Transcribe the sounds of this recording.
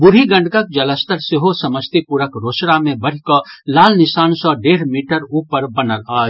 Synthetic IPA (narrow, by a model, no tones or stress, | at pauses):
bʊɾiɡɐ̃ɳɖkək̚d͡ʒɐləst̪əɾseɦosɐməst̪ipuɾəkɾoːsɽamẽbɐɽ̤ikɔlaːlnɪsaːnsɔɖeːɾmiːʈəɾuːpəɾbɐnəlaː